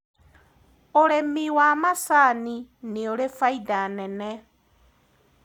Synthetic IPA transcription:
oɾemiwaːmasanineoɾefaidanɛnɛ

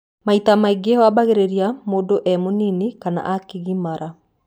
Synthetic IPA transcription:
maitamaiɡeɔwabaɣeɾeɾiamoːdoʔɛmoninikana̰ʔakiɣimaɾa

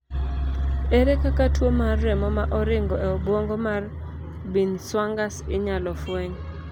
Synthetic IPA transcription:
eɾekakatwomarːɛmɔmaʔɔɾɪŋɡɔɛɔbwoŋɡomar | binswaŋɡasɪɲalɔfweɲ

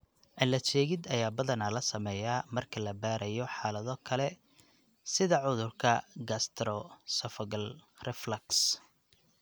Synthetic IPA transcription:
ʕɪlɐt͡ʃɛːɣɪd̪ɐjaːbɐðɐnɐlɐsɐmɛjaːmɐrkʰɐlɐbaːɾɐjɔħaːlɐðɔkʰɐlɛ | sɪðɐʕʊðʊrkʰɐɡɐst̪ʰɾɔsɔfɐɡɐlrɛflɐks

